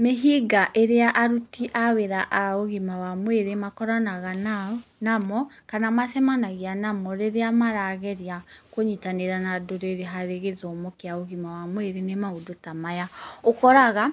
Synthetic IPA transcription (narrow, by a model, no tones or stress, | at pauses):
meɦiɡaʔeɾeaʔaɾutiʔaweɾaʔaoɣimawamweɾemakɔɾanaɣananamɔkanamasɛmanaɣianamɔɾeɾeamaɾaːɣɛɾjakoɲitaneɾanadoɾeɾeɦaɾeɣezɔmokeaoɣimawamweɾenemaodotamajaokɔɾaɣa